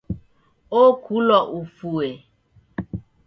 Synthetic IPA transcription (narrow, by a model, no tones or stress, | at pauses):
okʰulɔʔufue